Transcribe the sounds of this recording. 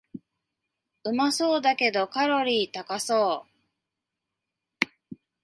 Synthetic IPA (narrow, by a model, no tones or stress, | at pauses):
ɯ̟maso̞ːd̪ake̞d̪o̞kaɾo̞ɾʲiːt̪akaso̞ː